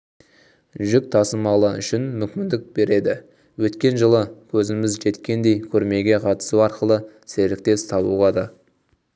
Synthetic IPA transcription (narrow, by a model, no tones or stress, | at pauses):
ʒʏk̚t̪ʰɑsəmɑlˠəʏ̰ʃɪnmʏkʲmʲɪnd̪ɪk̚be̞ɾe̞d̪ɪ | wɵt̪kʲe̞nʒəlˠəkʲʰɵzɪmɪzʒe̞t̪kʲe̞nd̪e̞jkʲʰɵɾme̞ɡʲe̞qʰɑt̪ə̥suɑɾqəlˠə | selɪk̚t̪e̞st̪ʰɑβṵʁɑd̪ɑ